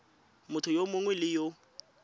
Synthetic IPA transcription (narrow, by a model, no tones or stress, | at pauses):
mʊtʰʊjomʊŋwɛlɪjo